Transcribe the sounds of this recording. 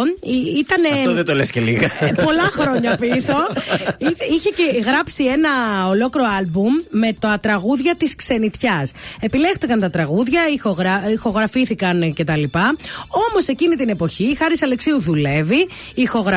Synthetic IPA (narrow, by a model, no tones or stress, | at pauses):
it̪ɐnefoðet̪olesceliɣɐpo̞lɐxɾo̞ɲɐpiso̞iiçeceɣɾɐpsie̞nɐo̞lo̞kiɾoɐlbumːe̞t̪ɐt̪ɾɐɣuðʝɐt̪iskse̞nit̪çɐse̞pilext̪ikɐnt̪ɐt̪ɾɐɣuðʝɐixoɣɾɐixo̞ɣɾɐfiθikɐnce̞t̪ɐlipɐo̞mo̞se̞cinit̪ine̞po̞çixɐɾisɐleksiuðule̞viː | xo̞ɣɾɐ